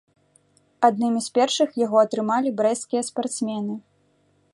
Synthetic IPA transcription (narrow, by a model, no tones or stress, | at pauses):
ad̪nɨmʲispʲɛrʂɨxjaɣɔɐt̪ɾɨmalʲibɾɛskʲijɐspart̪smʲɛnɨ